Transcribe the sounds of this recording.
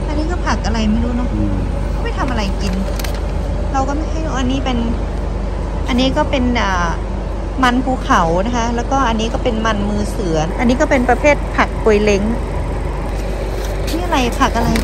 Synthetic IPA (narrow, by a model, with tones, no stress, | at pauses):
ʔa˧nːiː˦˥kɔː˥˩pʰa˨˩k̚ʔa˧ɾa˧jma˧˥˩duː˧nɔ˦˥ʔɯ˧˩ | kʰa˥˩ma˧˩jt̪ʰa˧mʔa˧ɾa˧jki˧n | ɾa˧wkɔː˥˩ma˥˩jhʰa˥˩jʔa˧nːiː˦˥pe˧n | ʔa˧nːiː˦˥kɔː˥˩pe˧nʔaː˨˩ | ma˧npʰuː˧˩kʰa˨˩˦wna˦˥kʰa˦˥lɛː˦˥wkɔː˥˩ʔa˧nːiː˦˥kɔː˥˩pe˧nma˧nmɯː˧sɯ˨˩˦ɐʔa˧nːiː˦˥k̬ɔː˥˩pe˧npɾa˧pʰeː˥˩t̪̚pʰa˨˩k̚pu˨˧˩jle˧˥ŋ | i˧˥˩ʔa˧ɾa˧jpʰa˨˩k̚ʔa˧ɾa˧j